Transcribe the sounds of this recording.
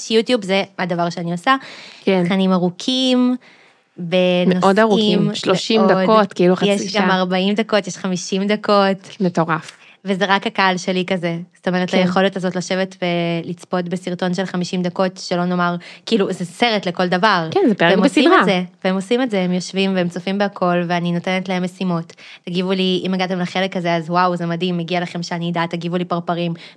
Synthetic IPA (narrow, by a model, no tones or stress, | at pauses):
ʃjutjubzeadavaʁʃeaniosakeanimaʁukʰim | bemenoʔodaʁuiimʃloʃimd̪adkot̪kiiluχajeʃɡamaʁbaimd̪ako̞tjeʃχamiʃimd̪akʰo̞tmet̪oʁaf | veze̞ʁakakaalʃe̞likazez̥oto̞meʁetlajeχo̞letazo̞tlaʃe̞vetbelit͡spo̞tbesiʁto̞nʃe̞lχamiʃimd̪ako̞tʃelo̞no̞maʁkiːluzeseʁetleko̞ldavaʁkɛnzepeemosidiʁmeazeveemo̞sime̞tzeemjo̞ʃvimveemt͡sofimbeakʰo̞lveanino̞tenetlae̞mːesimo̞tː | aɡivuliimaɡat̪emlaχe̞lekazeazwawzemadimːeɡialaχemʃeanid̪at̪aɡivulipaʁpaʁim